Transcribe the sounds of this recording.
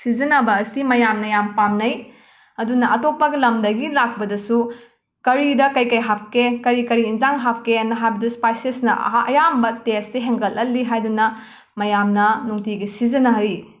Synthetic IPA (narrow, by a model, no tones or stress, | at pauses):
sizɐnɐbɐːsimɐjamnɐjampamnɐj | ɐdunɐɐtopːɐɡɐlɐmdɐɡilak̚bɐdɐsu | kɐɾidɐkɐjkɐjɦap̚kekɐɾikɐɾiːnzaŋɦap̚keɐnːɐɦajbɐdɐspajsesnɐɐjambɐtesːeɦeŋɡɐlɐlːiɦajdunɐ | mɐjamnɐnuŋtiɡisizɐnaɾi